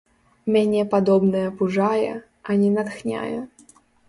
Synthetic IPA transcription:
mʲenʲɪjɛpad̪ɔbnəjɐpuʐajɛ̰ | ɐnʲɛnat̪xnʲa̰jɛ

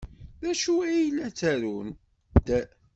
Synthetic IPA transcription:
ðæʃuæjlːæt͡sːæɾun | t̪æ

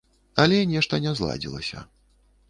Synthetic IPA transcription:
ɐlʲɛnʲɛʂt̪ɐnʲɛzlˠa̰d͡zʲilˠɐ̰sʲɐ̰

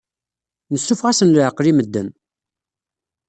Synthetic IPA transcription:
nəsːufʁasənlʕəqːɾiməd̪ːə̰n

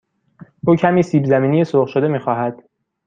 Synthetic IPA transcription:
ʔuːcʰæmiːsiːbzæmiːnijesoːʁʃod̪e̞miːxɒːɦæd̪̥

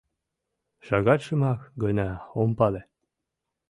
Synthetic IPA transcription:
ʃɑɣɑt̪ʲʃɤmɑkɡɤnʲɑompɑle

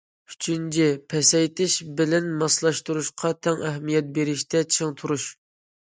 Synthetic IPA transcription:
y̥t͡ʃʰynt͡ʃʰipʰɛsɛjt̪ʰɪʃbɪlɛnmɑslˠɑʃt̪uɾuʃqʰɑt̪ʰɛŋʔɛɦmijɛt̪̚beɾɪʃt̪ʰɛt͡ʃʰiŋt̪ʰuɾuʃ

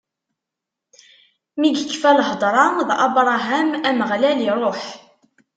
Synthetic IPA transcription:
miɡəkːfælhd̪ˤɾˤɑðʔɑbɾˤɑɦæmæməʁlæliɾˤoħ

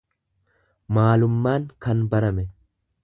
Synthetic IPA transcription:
maːlʊmːaːŋkɐnbɐɾɐmɛ

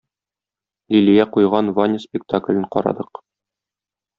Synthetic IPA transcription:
lilijæqujʁɑnvanʲɪspʲɪk̚t̪aklʲɘɴqɒ̰ɾɑ̰d̪ɤq

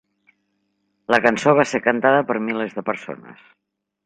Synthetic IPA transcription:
ləkənsoβ̞asekənt̪aðəpəɾmilezðəpəɾso̰nə̰s

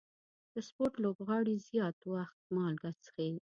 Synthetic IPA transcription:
d̪̥əspoɾʈlobɣɑɽizjɑt̪waxt̪̚mɑlɡat͡sxe

